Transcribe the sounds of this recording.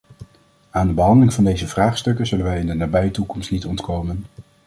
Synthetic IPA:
aːndəbəɦɑndəlɪŋv̥ɑndejzəv̥raːχstɵkəzɵlənʋɛjɪndənaːbɛjətukɔmstnitɔntkowmən

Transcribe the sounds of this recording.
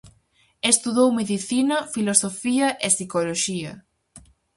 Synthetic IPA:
est̪uðowmeðiθinɐfilosofiɐʔesikoloʃiɐ̰

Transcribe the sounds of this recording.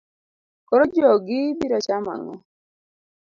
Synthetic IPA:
koɾod͡ʒɔɡɪbiɾɔt͡ʃama̰ŋɔ̰

